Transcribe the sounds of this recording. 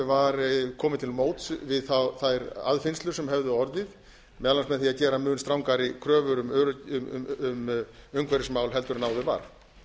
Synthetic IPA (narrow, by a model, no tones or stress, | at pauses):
vaɾkʰɔːmɪt̪ʰɪlmoːwt̪svɪðθaθajɾa̰ðfɪnst̪lʏ̥sɛmhɛvðʏɔɾðɪð | mɛalansmɛðθiacɛːɾamʏːnst̪ɾawŋkaɾɪkʰɾœːvʏɾʏmʏɾʏʏʏmœŋkʰvɛɾɪsmawlɦɛlt̪ʏɾnaːwðʏva̰ɾ̥